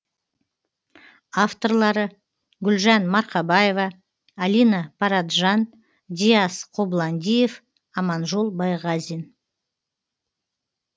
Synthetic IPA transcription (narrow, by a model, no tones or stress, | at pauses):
aft̪o̞rlˠɑɾə | ɡʲʏlʒɑnmɑɾqɑbɑje̞vɑː | lʲijnɑpʰɑɾat̪ʒɑn | d̪ʲiasqʰo̞blˠɑnd̪ʲijef | ɑmɑnʒo̞lˠbɑjʁɑzin